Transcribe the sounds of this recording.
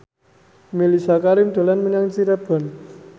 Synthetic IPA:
milisakaɾɪmd̪̥a̤lanməɲaŋt͡ʃiɾab̥ɔ̤n

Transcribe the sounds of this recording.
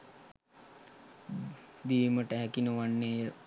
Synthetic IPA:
d̪iːməʈəɦækinəʋanːeːjə

